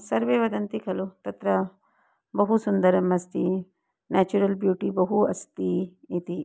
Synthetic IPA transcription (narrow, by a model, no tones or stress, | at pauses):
sɐɾʋeːʋɐd̪ɐnt̪ikʰɐlut̪ɐt̪ɾɐ | bɐɦusund̪ɐɾɐmɐst̪i | nɛːt͡ʃuɾɐlbjuːʈibɐɦuɐst̪i | it̪i